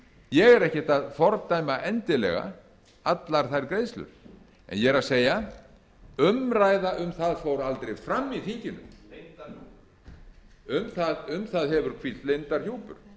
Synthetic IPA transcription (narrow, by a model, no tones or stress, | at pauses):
jɛɣɛɾɛhcɪ̥t̪aðfɔɾt̪ajmaʔɛnt̪ɪlɛ̰ɣa̰ | at̪laɾ̥θajɾkɾeːjslʏ̰ɾ̥ | ɛ̰njɛɾaðseːja | ʏmɾaːjðaʔʏmθaðfowɾalt̪ɾejfɾamːiθiɲcɪnʏ̰m | ʏmθaðʏmθaðɦɛvʏɾ̥kʰvi̥t̪lejnt̪aɾ̥çuːwpʏ̰ɾ̥